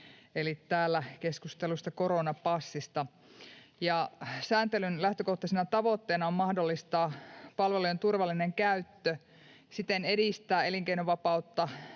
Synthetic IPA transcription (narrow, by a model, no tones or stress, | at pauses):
elit̪æːlːækeskust̪elust̪ɑkoɾonɑpɑsːist̪ɑ | jɑsæːnt̪elynlæht̪økoht̪ɑsenɑt̪ɑʋot̪ːeːnɑommɑhdolːist̪ɑːpɑlʋeluent̪urʋɑlːineŋkæyt̪ːø | sit̪enedist̪æːe̞liŋkeinoʋɑpɑut̪ːɑ